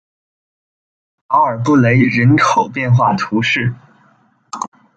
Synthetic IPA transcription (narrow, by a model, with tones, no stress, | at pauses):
ɑ˥˩ə˞˨˩pu˥˩le˧˥ɪɻə˧˥nkʰo˨˩ʊpjɛ˥˧nxwa˥˩t̪ʰu˧˥ʂɻ̩˥˩